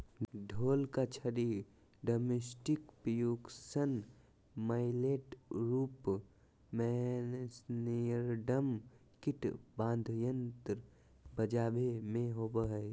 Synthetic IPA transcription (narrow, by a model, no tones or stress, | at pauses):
ɖʱoːlkat͡ʃʰəɾi | ɖoːmesʈɪkpjuɡsən | maːɪleːʈɾuːp | mɛnsnijəɾɖəmkɪʈbãːnd̪ʱjənt̪ɾ | bəd͡ʒaːbemẽɦoːbəɦ